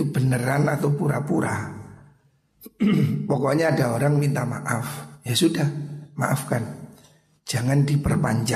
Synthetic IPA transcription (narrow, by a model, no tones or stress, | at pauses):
ubənəɾanat̪awpuɾapuɾa | pɔkɔɲaːdaoɾaŋmint̪amaʔafjasudahma̰ʔafkan | d͡ʒaŋandipərpa̰ɲd͡ʒa